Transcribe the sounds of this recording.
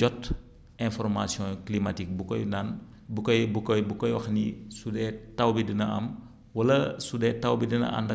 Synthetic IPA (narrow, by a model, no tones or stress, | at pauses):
d͡ʒɔt | ɛ̃fɔrmasjɔ̃klimatik̚bukɔjnan | bukɔjbukɔjbukɔjwɐxnisudɛtɐwbidinɐɐ̰m | wɐlɐsudɛːtɐwbidinɐ̰ʔɐ̰ndɐ